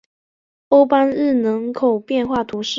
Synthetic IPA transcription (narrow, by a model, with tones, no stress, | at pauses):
o˥ʊpa˥nɻ̩˥˩nɤ˧˥ŋkʰo˨˩ʊpjɛ˥˧nxwa˥˩t̪ʰu˧˥ʂɻ̩˥˩